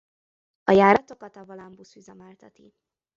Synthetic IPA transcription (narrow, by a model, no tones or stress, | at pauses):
ɒjaːɾɒt̪o̞kɒt̪ɒvolɒmbusyzɛmaːlt̪ɒt̪ḭ